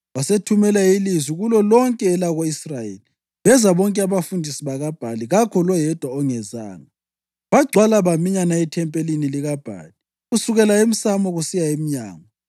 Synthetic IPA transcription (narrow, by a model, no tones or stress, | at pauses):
wasetʰumɛlajilizwiɣulɔlɔŋkʼɛːlaɣoisrajḛli | βɛzaβɔŋkʼɛaβafundʱisiβaɣab̥ʱaliɣakʰɔlɔjɛd̥ʱwaɔŋɛza̰ːna | βaɡ͡ǀʱwalaβamiɲanaɛtʰɛmpʼeliniliɣab̥ʱa̰ːli | ɣusuɣɛlaem̩samɔɣusijaemiɲa̰ːŋa